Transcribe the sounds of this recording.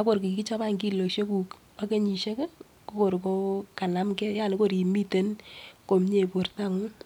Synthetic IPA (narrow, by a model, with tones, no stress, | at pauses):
a˦ko˨ɾki˨ki˦t͡ʃɔ˦ba˦ŋki˦˨lo˨kʃe˦ku˨k | a˦ke˦ɲi˨ʃe˦kɛ˦ | ko˦ko˨ɾko˦ka˨na˨mkɛ˦ja˦˨ne˦ko˦˨ɾi˨mi˦te˦nko˨mɲe˦˨po˨rta˦ŋu˦